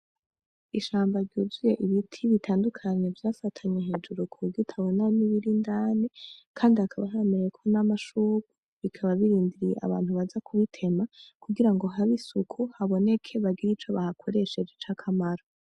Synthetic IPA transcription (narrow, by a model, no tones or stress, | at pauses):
iʃaːmbaɾɟuzuje̞ʔiβitʰiβitʰaːndukʰaɲe̞vjaːfatʰaɲeɦe̞ːd͡ʒuɾukʰuɡitʰaβo̞naniβiɾindaːnikʰaːndiakʰaβaɦaemeɾejekʰo̞namaʃuːɡu | βikʰaβaβiɾiːndiɾijḛʔa̰βa̰ːnhuβazakʰuβitʰe̞makuɡiɾaŋɡo̞ɦaβisukʰuhaβo̞ne̞kʰe̞βaɡiɾit͡ʃoβahakʰo̞ɾe̞ʃe̞d͡ʒet͡ʃakʰamaɾo